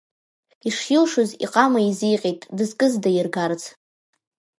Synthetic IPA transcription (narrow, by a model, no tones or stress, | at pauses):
iʂjɪlʂozḭqʼamaizijqʲʼejtʼdɨzkʼɨzdajɪrɡart͡sʰʼ